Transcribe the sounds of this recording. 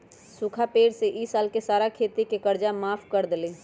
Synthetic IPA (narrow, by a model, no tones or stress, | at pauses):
sukʰapeːɽseʔisaːlkesaːɾakʰet̪ikekəɾd͡ʒamaːpʰkəɾd̪eli